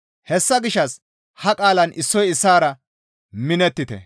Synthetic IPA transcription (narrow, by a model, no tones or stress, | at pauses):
hɛsːɐɡɪʃːɐs | hɐkʼaːlɐnʔɪsːɔjɪsːaːɾɐ | mɪnɛt̪ːɪt̪ɛ̰